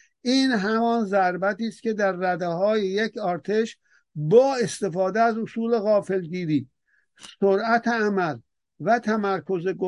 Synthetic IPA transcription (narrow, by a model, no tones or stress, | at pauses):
ʔiːnɦæmɒːnzæɾbæt̪iːst̪̚kʲʰe̞d̪æɾːæd̪ehɒːjejekʰɒːɾt̪ʰeʃ | bɒːe̞st̪e̞fɒːd̪eæzosuːle̞ɣɒːfelɡiːɾiː | soɾæt̪ʰeæmæl | væt̪ʰæmæɾkʰozeɡo